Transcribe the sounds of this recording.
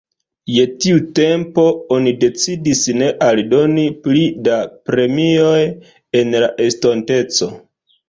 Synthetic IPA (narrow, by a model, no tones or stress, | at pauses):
je̞tiute̞mpo̞o̞nide̞t͡sidisne̞ʔaldo̞niplidapɾe̞mio̞j | e̞nlaʔe̞sto̞nte̞t͡so̞